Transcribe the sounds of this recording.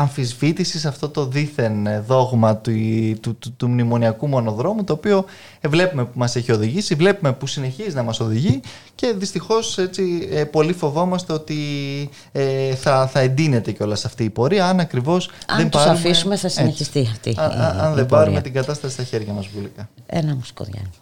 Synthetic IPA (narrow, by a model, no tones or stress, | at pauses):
ɐɱfizvit̪isisɐft̪o̞t̪o̞ðiθe̞nðo̞ɣmɐt̪it̪uut̪umnimo̞niɐkumo̞no̞ðɾo̞mut̪o̞ːpio̞ | vle̞pume̞pumɐse̞çio̞ðiʝisivle̞pume̞pusine̞çizinɐmɐso̞ðiʝi | ce̞ðist̪ixo̞se̞t͡siepo̞lifo̞vo̞mɐst̪e̞o̞t̪i | eθɐθɐe̞nd̪ine̞t̪e̞ceo̞lɐsɐft̪iːpo̞ɾiɐɐnɐkɾivo̞sððemb̪ɐɐumfisumeθɐsineçist̪iɐft̪iɐɐnðebɐɾume̞t̪iŋɡɐt̪ɐst̪ɐsist̪ɐçe̞ɾʝɐmɐzvulikɐḛnɐmusko̰ðʝɐ̰